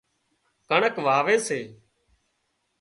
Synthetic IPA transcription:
kəɳəkʋaːʋeːseː

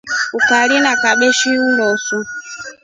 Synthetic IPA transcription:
ukaɾinakaɓɛʃiulɔsu

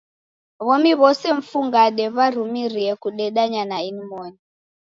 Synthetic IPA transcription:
βɔmiβɔsɛɱ̩fuŋɡaɗɛβaɾ̤umiɾiɛkuɗɛɗaɲanainimɔni

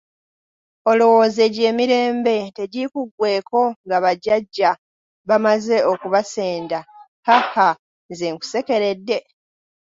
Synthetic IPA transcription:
o̞lowo̞ːze̞ɟe̞ːmiɾe̞ːmbe̞te̞ɟikuɡwe̞ːko̞ŋɡaβaɟaɟːa | βamaze̞okuβase̞ːnda | haha | zeŋku̥se̞ke̞ɾe̞dːe̞

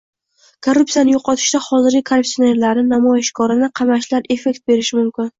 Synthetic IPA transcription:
kʰorːʊp̚sijanɪjoqʰɒt̪ʰɪʃd̪ahɒzɪɾɡʲɪkʰaɾup̚t̪ijone̞ɾlaɾnɪnamɒjɪʃkʰɒɾɪnɪqʰɑmaʃlaɾe̞fe̞k̚ʲt̪̚be̞ɾɪʃɪmʊmkʲɪn

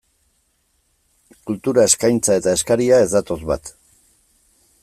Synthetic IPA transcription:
kult̪uɾae̞skajnt͡sae̞t̪ae̞skaɾiae̞zd̪at̪o̞zβa̰t̪

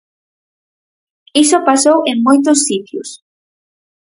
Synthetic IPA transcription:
isopasowʔeŋmojt̪ʊsːit̪jʊ̰s

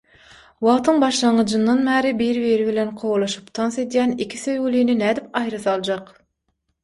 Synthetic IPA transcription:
wɑʁt̪ʰɯŋbɑʃlˠɑɴɯd͡ʒɯnd̪ɑnbæːɾibijɾβiɾiβilʲenqʰowlˠɑʃɯ̥pt̪ʰɑnse̞d̪jæːnikʲʰi̥θøjwyliːninæːd̪ipɑjɾɯθɑlˠd͡ʒɑq

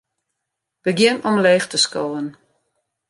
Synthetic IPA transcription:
b̥əɡjɪnɔmleːxtəskoːən

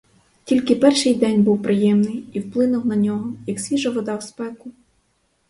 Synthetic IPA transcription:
tʲilʲkɪpɛrʃɪjd̪ɛnʲbuwpɾɪjɛmnɪjiwplˠɪnʊwnɐnʲɔɦɔjɐksʲʋʲiʒɐʋɔd̪ɑwspɛkʊ

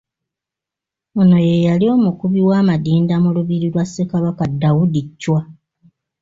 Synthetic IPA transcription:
ono̞je̞jalio̞ːmukuβiwaːmadiːndamuluβiɾilwasːekaβakadawudicːwa

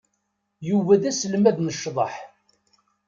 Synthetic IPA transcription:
juvæðæsəlmæðnəʃːðˤɑħ

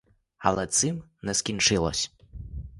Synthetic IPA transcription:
ɐ̰lˠɛt̪sɨmnɛskʲint͡ʂɨlˠɔ̰sʲ

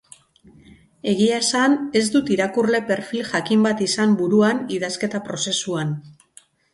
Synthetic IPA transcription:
e̞ɣ̞iasane̞zd̪ut̪iɾakurle̞pe̞ɾfilʝakimbat̪isambuɾuaniðaske̞t̪apɾo̞se̞suan

